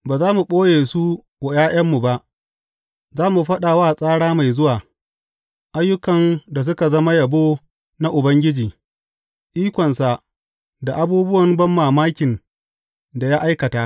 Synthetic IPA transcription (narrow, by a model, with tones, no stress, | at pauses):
baː˨zaː˦mu˨ɓʼoː˦jeː˨su˦ | wa˨jaː˦jʔɐ˦mːu˨ba˦ʔ | zaː˦mu˨ɸɐ˦ɗa˨waː˦˨sʼaː˦ɽaː˦ma˨jzʊ˦waː˨ | ʔa˦jːʊ˦kɐ˨nda˨s̬ʊ˦ka˨zɐ˦ma˦jɐ˨boː˦ | na˦ʔʊ˨bɐ˦ŋɡʲɪ˦d͡ʒiː˨ | ʔiː˦kʷɔ˨nsa˨ | da˨ʔa˦buː˦bʊ˦wɐ˨mbɐ˦mːaː˨maː˦kʲɪ˨n | da˨ja˦ʔa˦jkɐ˨taː˦